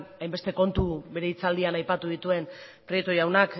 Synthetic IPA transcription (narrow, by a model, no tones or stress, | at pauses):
ajmbe̞st̪e̞ko̞nt̪uβe̞ɾe̞it͡sald̪ianajpat̪uðit̪ue̞npɾojekt̪ojawnak